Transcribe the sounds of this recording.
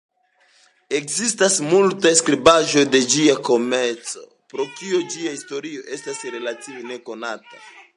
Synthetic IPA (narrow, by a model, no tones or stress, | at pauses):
e̞kzistasmultaskɾibaʒo̞jde̞d͡ʒiako̞meɾt͡so̞̰ | pɾo̞kiod͡ʒiaisto̞ɾio̞ʔe̞stasɾe̞lativene̞ko̞natḁ